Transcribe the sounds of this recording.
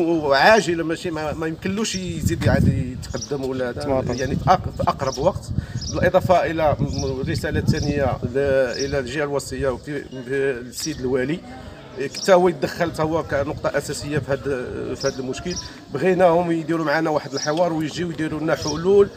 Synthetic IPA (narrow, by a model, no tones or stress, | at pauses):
ʕaʒəlmæʃimæmæjəmkəlːuʃzid̪ʕad̪iət̪qɑd̪ːəmuwlːææjaʕnifʔfiʔɑqɾˤɑbwɑqt̪bəlʔed̪ˤɑfɑʔəlærːəsælat̪ːænəjːaʔəlælʒihælwɑsˤəjːafsid̪əlwæli | kt̪æwæjət̪̚d̪əxːəlt̪hʊwːækænʊqt̪ˤɑʔæsæsəjːafihæd̪fihæd̪əlmʊʃkəl | bɣinæhʊmjd̪iɾumʕanæwaħəd̪əlħəwɑɾˤwjʒiwjd̪iɾunæħʊlul